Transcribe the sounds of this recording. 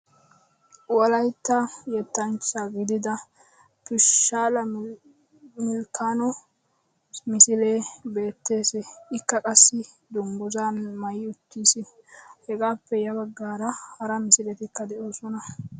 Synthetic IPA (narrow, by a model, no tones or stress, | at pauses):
wɔlɐjt̪ːɐjɛt̪ːɐnt͡ʃːaɡɪd̪ɪd̪ɐ | pɪʃːaːlɐ | mɪlkaːnɔ | mɪsɪleːbe̞ːt̪ːe̞ːsɛɪkːɐkʼɐsːɪ | d̪ʊŋɡʊzaːnmɐjɪʊt̪ːiːsɪhɛɡaːpːɛjɐbɐɡːaːɾɐhɐɾɐmɪsɪlɛt̪ɪkːɐd̪ɛʔoːsɔnɐ